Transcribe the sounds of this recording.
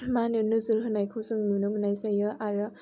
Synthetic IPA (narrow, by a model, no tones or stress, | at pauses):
manɯnɯzɯɾɦɯnajkʰɯwsɯŋnunɯmɯnajsajɯʔaɾɯ